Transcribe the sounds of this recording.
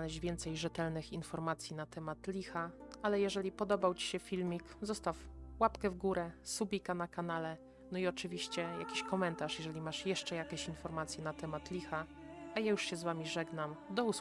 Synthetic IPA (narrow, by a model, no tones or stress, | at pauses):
alɛɕd͡ʑvʲjɛnt̪sɛjʐɛt̪ɛlnɘxinfɔɾmat̪sʲjinat̪ɛmat̪lʲixaalɛjɛʐɛlʲipɔd̪ɔbawt͡ɕi̥ɕɛfʲilmʲikzɔst̪afwapkɛvɡuɾɛsubʲikanakanalɛ | nɔiɔt͡ʂɘvʲiɕt͡ɕɛja̰kʲiɕkɔmɛnt̪aʂjɛʐɛlʲimaʂjɛʂt͡ʂɛjakʲeɕinfɔɾmat̪sʲjɛnat̪ɛmat̪lʲixa | ajajuʂɕɛzvamʲiʐɛɡnamd̪ɔus